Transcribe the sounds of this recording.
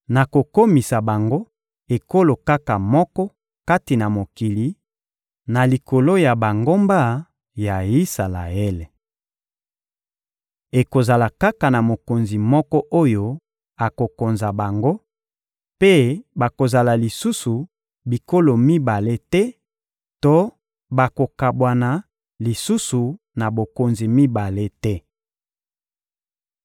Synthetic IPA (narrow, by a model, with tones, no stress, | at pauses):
na˨ko˨ko˦mi˨sa˨ba˨ŋɡo˦ | e˨ko˦lo˨ka˦ka˨mɔ˦kɔ˦ | ka˦ti˨na˨mo˨ki˨li˨ | na˨li˨ko˨lo˦ja˨ba˨ŋɡo˦mba˦ | ja˨i˦sa˨la̰˨ɛ˦le˨ | e˨ko˨za˨la˨ka˦ka˨na˨mo˨ko˨nzi˨mɔ˦kɔ˦ʔo˦jo˦ | a˨ko˨ko˨nza˨ba˨ŋɡo˦ | pe˦ba˨ko˨za˨la˨li˨su˦su˨ | bi˨ko˦lo˨mi˦ba˨le˦tɛ˦ | to˦ | ba˨ko˨ka˨bwa˨na˨ | li˨su˦su˨ | na˨bo˨ko˨nzi˨mi˦ba˨le˦tɛ˦